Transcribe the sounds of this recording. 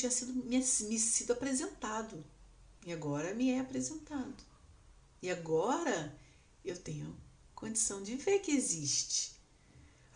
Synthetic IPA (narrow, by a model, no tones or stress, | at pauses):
t͡ʃĩɲɐsid̪ʊmiɲɐsmɪsid̪ʊapɾezẽnt̪ad̪ʊ | iaɡɔɾɐmɪɛapɾezẽnt̪ad̪ʊ | ɪaɡɔɾɐ | ewt̪ẽɲʊɐ | kõd͡ʒisɐ̃w̃d͡ʒɪveɾkɪeziʃt͡ʃɪ̥